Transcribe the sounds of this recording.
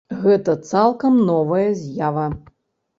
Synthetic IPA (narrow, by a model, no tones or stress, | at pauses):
ɣɛt̪ɐt̪salˠkɐmnɔvɐjɐzʲjavɐ